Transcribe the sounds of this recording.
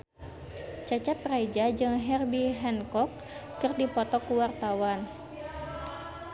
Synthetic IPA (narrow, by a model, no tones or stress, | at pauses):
t͡ʃat͡ʃat̪̚raid͡ʒad͡ʒɨŋɦɛrbiɦɛnkɔkː | ɨrdipɔt̪ɔkuwart̪awan